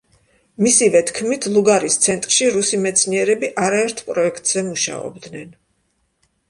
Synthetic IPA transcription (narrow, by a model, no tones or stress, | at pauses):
misivɛt̪ʰkʰmit̪ʰlˠuɡaɾist̪sʰɛnt̪ʼɾʃiɾusimɛt̪sʰniɛɾɛbiʔaɾaɛɾt̪ʰpʼɾɔɛkʰt̪ʼz̥ɛmuʃa̰ɔ̰bd̪nɛn